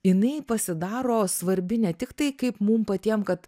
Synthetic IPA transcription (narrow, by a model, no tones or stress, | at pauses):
jɪnɐɪpɐsʲɪd̪ɑːɾoːsʋɐɾʲbʲɪnʲɛt̪ʲɪkt̪ɐɪkɐɪpmumpɐt̪ʲiɛmkɐt̪